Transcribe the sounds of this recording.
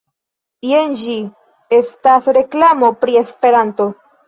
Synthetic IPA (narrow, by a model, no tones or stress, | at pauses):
iend͡ʒi | estasɾe̞klamo̞pɾie̞spe̞ɾanto̞